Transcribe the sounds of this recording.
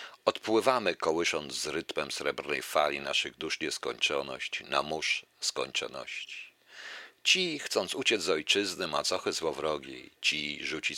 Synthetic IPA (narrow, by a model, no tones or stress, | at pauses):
ɔt̪pwɘvamɘkɔwɘʂɔnd̪zzɾɘt̪mɛmsɾɛbɾnɛ̰jfalʲinaʂɘɣd̪uʂɲɛskɔɲt͡ʂɔnɔ̰ɕt͡ɕna̰muʂ | skɔ̰ɲt͡ʂɔ̰nɔ̰ɕt͡ɕi̥ | t͡ɕixt̪sɔnt̪sut͡ɕɛzzɔjt͡ʂɘznɘmat̪sɔxɛzwɔvɾɔɡʲḭt͡ɕiʐut͡ɕi